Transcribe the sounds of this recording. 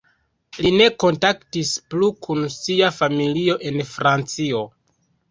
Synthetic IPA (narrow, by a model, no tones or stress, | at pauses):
line̞ko̞ntaktisplukʰunsiafamilioʔe̞nfɾant͡sio̞